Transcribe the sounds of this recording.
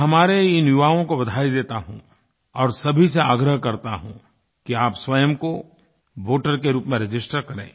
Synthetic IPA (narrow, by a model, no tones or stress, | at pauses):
ɦɐmaːɾeɪnjʊʋaːõkobɐd̪ʱaːid̪eːt̪aɦṵ̃ | ɔːɾsɐbʱiseaːɡɾəɦkɐɾt̪aɦṵ̃ | kiaːpswɐjəmko | ʋoːʈəɾkeɾuːpmẽɾɐd͡ʒɪsʈəɾkɐɾḛ̃ː